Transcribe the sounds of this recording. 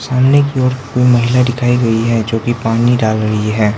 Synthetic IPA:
saːmnekiɔːɾkoːimɐɦɪladɪkʰaːiɡɐiɦɛd͡ʒoːkipaːniɖaːlɾɐiɦɛː

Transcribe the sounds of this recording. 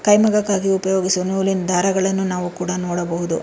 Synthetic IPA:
kɐjmɐɡɐkːaːɡiupɐjoːɡisunuːlind̪ʱaːɾɐɡɐɭɐnːunaːʋukuːɽɐnoːɽɐbɐɦud̪ṵ

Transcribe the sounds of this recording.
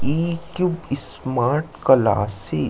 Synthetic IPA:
iːkjubɪsmaːɾʈkɐla̰ːse

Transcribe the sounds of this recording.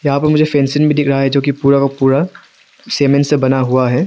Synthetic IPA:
jɐɦãpɐɾmʊd͡ʒʱefɛ̃ːnsɪnbʱid̪ɪkʰɾɐɦaɦɛd͡ʒoːkipuːɾakapuːɾa | seːmẽnsebɐnaɦuaɦɛː

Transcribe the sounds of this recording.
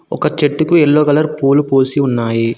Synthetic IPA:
ɔ̰kɐt͡ʃeʈːukuɛɭːoːɡɐlɐɾpuːlupoːsiunːaːji

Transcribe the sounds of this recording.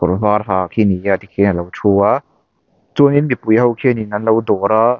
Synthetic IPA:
koɾfaːɾ̚ɦakʰiniat̪ikʰinalawt͡ʃʰua | t͡suninmipujhawkʰeninanlawdoɾa

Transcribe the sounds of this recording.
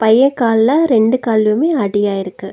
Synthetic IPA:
pɐjːɐkːaːllɐɾɛɳɖɯkaːlɯmeːɐɽɪjaːjɪɾɯkːɯ

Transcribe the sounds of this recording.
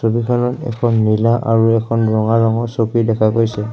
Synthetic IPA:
sobikʰɔnɔtɛ̰kʰɔnːilaʔaɹuɛkʰɔnɹɔŋaɹɔŋɔsokidɛkʰakojsɛ

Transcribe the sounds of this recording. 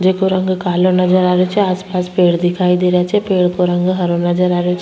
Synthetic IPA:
d͡ʒeːkoɾɐ̃ŋɡkaːlõnɐd͡ʒəɾaːɾejot͡ʃʰɛaːspaːspeːɽd̪ɪkʰaːid̪eːɾat͡ʃʰɛpeːɽkoɾɐ̃ŋɡɦɐɾõnɐd͡ʒəɾaːɾeot͡ʃʰ

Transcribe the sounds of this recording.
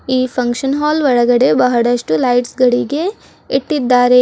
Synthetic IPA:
iːpʰɐŋkʂɐnɦaːlʋɐɭɐɡɐɽe̞bɐɦɐɽɐʂʈulɐjʈsɡɐɽiɡe̞ | iʈːid̪ːaːɾe

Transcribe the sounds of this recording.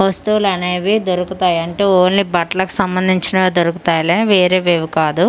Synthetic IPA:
ɦost̪uːlɐneːʋid̪oɾukut̪aːjɐɳʈeːoːnːibɐʈlɐku̥sɐmbɐnd̪ʱiɲt͡ʃinɐd̪oɾuku̥t̪aːjleːʋeːɾeːʋeːʋukaːd̪u

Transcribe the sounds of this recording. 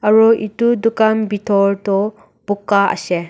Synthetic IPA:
ɐɾɔʔitudukambitʰɔɾtɔ | b̥ukːaɐ̰se

